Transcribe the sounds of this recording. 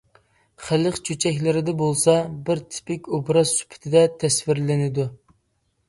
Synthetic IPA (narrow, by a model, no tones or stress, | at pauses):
χæləqt͡ʃʰyt͡ʃʰɛkʲlɪɾɪd̪ɛbolˠsɑbɪɾt̪ʰɪ̥pɪkʲobɾɑzsy̥pʰɪ̥t̪ʰɪd̪ɛt̪ʰɛsvɪɾlɪnɪd̪u